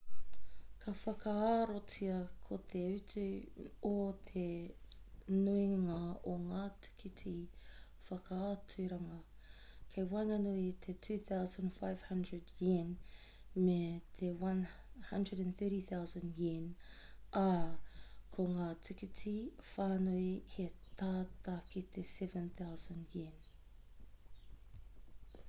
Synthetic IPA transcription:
kʰɐfɐkɐaɾotiɐkʰot̪ʰeʉtʉot̪ʰe | nuiŋaoŋaːtʰi̥kʰitʰi | fɐkaatʉɾɐŋɐ | kʰejwanɐnuit̪ʰetʰʉθawzə̃nfajv̥hɐ̃ndɹədjin | met̪ʰewɐnhɐ̃ndɹədɛ̃nθɜ˞ɾiθawzə̃njin | ʔa | kʰoŋaːtʰikitʰifaːnoihet̪aːt̪akit̪ʰesɛvə̃nθawzə̃ndjin

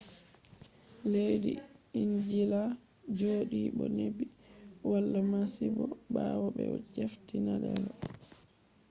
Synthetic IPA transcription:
lejdiiɲd͡ʒila | d͡ʒoɗiɓɔnebiwalːamasibɔbaːwabɛ̰d͡ʒeftinadɛlɔ

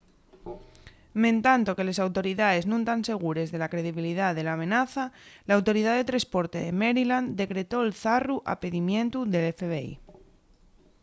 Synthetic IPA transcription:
mẽ̞nt̪ant̪o̞ke̞le̞sawt̪o̞ɾiðaðe̞znũnt̪anse̞ɣ̞uɾe̞zðelakɾe̞ðiβ̞iliðaðe̞laːmẽ̞naθalaːwt̪o̞ɾiðaðe̞t̪ɾaspo̞ɾt̪e̞ðe̞me̞ɾiland̪e̞kɾe̞t̪o̞elθaruʔa̰peðimjẽ̞nt̪uðe̞lefeβeḭ

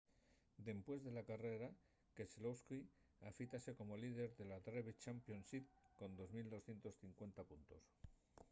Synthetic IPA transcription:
d̪e̞mpwe̞zðe̞lakare̞ɾa | keslowski | afit̪ase̞ko̞mo̞lið̞e̞ɾðe̞lat̪ɾeβet͡ʃampjo̞nsiðko̞nd̪o̞zmild̪o̞sθje̞nt̪o̞sθiŋkwe̞nt̪apunt̪o̞s

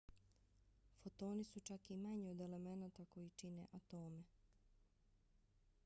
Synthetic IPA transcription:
fot̪o̞ːnisut͡ʃakimaɲeod̪e̞le̞me̞naːt̪ako̞jit͡ʃinḛʔat̪o̞ːme

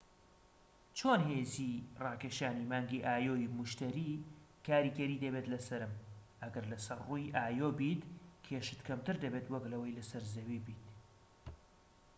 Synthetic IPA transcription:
t͡ʃʰoːnheːzirɑːkeʃaːnimaːŋɡiʔaːjoːjimʊʃt̪ɐɾi | kʰaːɾiːɡɐɾiːd̪ɐbet̪lɐsɐɾɨmʔɐɡɐɾlɐsɐrrujʔaːjoːbiːt̪kʰeʃɨ̥t̪kʰɐmt̪ɨɾd̪ɐbet̪wɐklɐwɐjlɐsɐɾzɐwiːbiːt̪

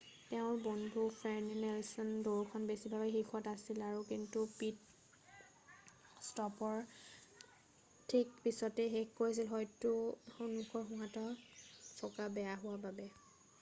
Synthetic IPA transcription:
tɛʊ̃ɹbɔndʱupʰɹɛnnɛlsɔndoɹkʰɔnbesibabɛxixʰɔtasilaɹukintupit̚ | stɔpɔɹ | tʰːikpisɔtɛɦekkoɹis̬ilɦɔjtuonukʰɔɹxuɦãtɔɹsʰɔkabɛjaɦʊwababɛ

